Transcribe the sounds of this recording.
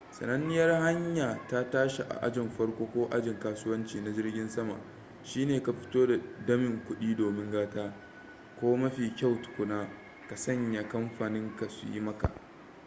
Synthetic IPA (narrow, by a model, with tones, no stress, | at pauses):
sɐ̰˨nɐ˦nːɪ˦jɐ˦rha˦ɲjaː˨ta˦taː˦ʃe˨ʔa̰˨ʔa̰˦d͡ʒɪ˨mɸɐ˦rkʷoː˦kʷoː˦ʔa̰˦d͡ʒɪ˨ŋkaː˦sʊ˦wɐ˦nt͡ʃiː˨na˨zɪ˦rɡʲɪ˦nsɐ˦ma̰˨ʔ | ʃiː˦neː˨ka˨ɸɪ̥˦toː˦da˨dɐ˦mɪ˨ŋkʷʊ˦ɗiː˦doː˨mɪ˦ŋɡaː˦taː˦ | kʷoː˦mɐ˦ɸiː˨kʲa˦˨wtʊ̥˨kʷʊ˦naː˦ | ka˨sɐ˦ɲja˨kɐ˦mɸaː˨nɪ˦ŋka˨sṵ˨jḭ˦mɐ˦ka̰˨ʔ